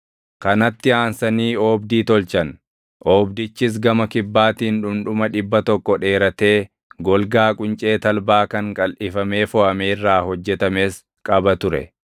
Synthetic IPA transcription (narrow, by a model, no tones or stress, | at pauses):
kɐnɐt̪ːɪaːnsɐniːoːbd̪iːt̪ɔlt͡ʃɐn | ʔoːbd̪ɪt͡ʃːɪs̬ɡɐmɐkɪbːaːt̪iːnᶑʊmᶑʊmɐᶑɪbːɐt̪ɔkːɔᶑe̞ːɾɐt̪e̞ː | ɡɔlɡaːkʼʊnt͡ʃʼe̞ːt̪ɐlbaːkɐŋkʼɐlʔɪfɐme̞ːfɔʔɐme̞ːrːaːhɔd͡ʒːɛt̪ɐme̞ːs | kʼɐbɐt̪ʊɾɛ̰